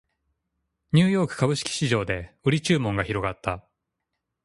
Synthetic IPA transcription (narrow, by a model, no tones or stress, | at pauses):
ɲ̟ɨːjo̞ːkɯ̟̥kabɯ̟ɕi̥kʲi̥ɕiʑo̞ːd̪e̞ɯ̟ɾʲit͡ɕɨːmõ̞ŋɡaçiɾo̞ɡat̪ʰːa